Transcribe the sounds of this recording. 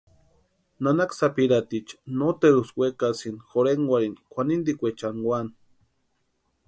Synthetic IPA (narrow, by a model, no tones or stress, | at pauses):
nanaksapiɾat̪it͡ʃnot̪eɾuswʷekasinxoɾeŋɡwaɾinkʷanind̪ikʷet͡ʃanwan